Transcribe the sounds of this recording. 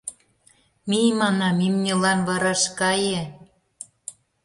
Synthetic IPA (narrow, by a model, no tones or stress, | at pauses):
mimɑnɑmimnʲelɑnβɤɾɑʃkɑjĕ